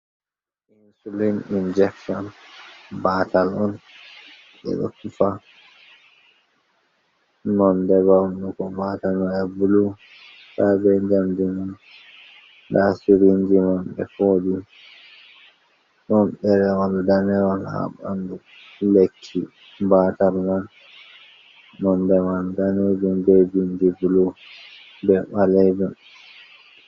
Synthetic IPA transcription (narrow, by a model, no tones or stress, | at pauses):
insulinind͡ʒɛkʃɔn | baːtalɔn | ɓɛ̰ɗɔ̰kufa | nɔndɛβamɗukɔmatanɔjabulu | sabɛnd͡ʒamdimun | dasuɾind͡ʒimanɓɛ̰foːɗi | nɔnɓɛɾɛwaldanɛwalha̰ɓa̰ndu | lekʰːi | batalman | nɔndɛmandaned͡ʒumded͡ʒind͡ʒibulu | bɛɓalɛdum